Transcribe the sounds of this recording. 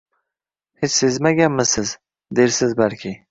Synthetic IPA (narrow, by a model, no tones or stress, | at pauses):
het͡ʃsezmaɡʲanmɪsɪz | d̪eɾsɪzbalkʲɪ